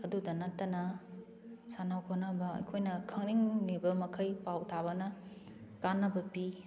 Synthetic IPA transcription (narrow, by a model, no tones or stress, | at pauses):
ɐdudɐnɐtːɐnɐ | sanawkʰonɐbɐɐ̰kʰojnɐkʰɐŋniŋnibɐmɐkʰɐjpawtʰabɐnɐ | kanːɐbɐpi